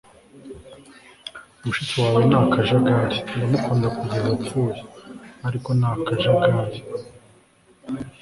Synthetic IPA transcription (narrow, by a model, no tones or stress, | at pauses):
umuʃit͡siwaːwenaːkaʒaɡaɾindamukʰuːndakuɟezap͡fujaaɾiko̞naːkaʒaɡaɾi